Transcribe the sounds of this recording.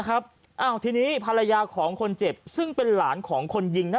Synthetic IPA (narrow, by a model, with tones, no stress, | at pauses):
kʰa˦˥p̚ | ʔaː˧˩wt̪ʰiː˧niː˦˥pʰa˧la˧jaː˧kʰɔː˩˦ŋkʰo˧nt͡ɕe˨˩p̚sɯ˥˩ŋpe˧nlaː˩˦nkʰɔː˩˦ŋkʰo˧nji˧ŋnː˥